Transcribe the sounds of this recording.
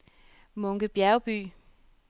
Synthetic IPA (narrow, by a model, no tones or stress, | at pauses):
mɔ̽ŋɡ̥əb̥jæɐʊb̥y̰ː